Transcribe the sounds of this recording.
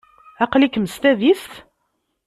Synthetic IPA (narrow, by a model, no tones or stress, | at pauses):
æqlikːməst̪æðist̪